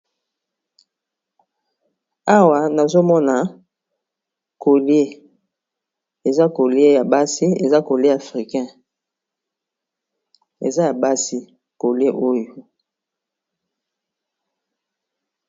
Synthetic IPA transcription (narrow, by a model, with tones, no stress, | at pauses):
a˦wa˨na˨zo˦mɔ˦na˨ | ko˨lje˦ | e˨za˦ko˨le˦ja˨ba˦si˦e˨za˦ko˨lje˦a˨fʁi˨kɛ̃˦ | ḛ˨za˦ja˨ba˦si˦ | ko˨lje˦ʔo˦jo˨